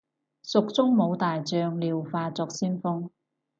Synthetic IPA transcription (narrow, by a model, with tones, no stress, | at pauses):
sʊ˨k̚t͡sʊ˥ŋmo˨˧wt̪aː˨jt͡sœː˧ŋliː˨wfaː˧t͡sɔː˧k̚siː˥nfʊ˥ŋ